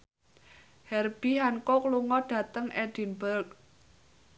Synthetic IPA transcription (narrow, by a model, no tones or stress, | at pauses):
hɛrb̥iɦankɔkluŋɔɖ̥ä̤t̪əŋɛɖ̥i̤nbərk̚